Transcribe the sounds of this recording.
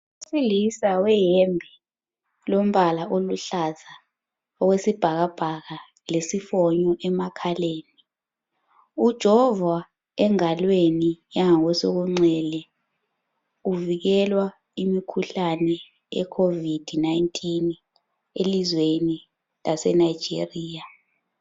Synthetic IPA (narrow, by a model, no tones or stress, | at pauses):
ussilisawɛjɛmbʱɛ | lom̩βalaʔoluɬaza | ɔwesib̥ʱaɣ̬ab̥ʱaɣa | lesifɔɲɔʔɛmakʰaleːni | ud̥ʒ̥ʱɔva | ɛŋalwenijaŋaŋwɛsoɣ̬uŋ͡ǀɛlɛ | uviɣɛlwa | imikʰuɬanɛ | ɛ̰kʰovid̥ʱnajntʼʰin | elizweni | lasɛ̰naj̥d͡ʒ̥ʱḛriːja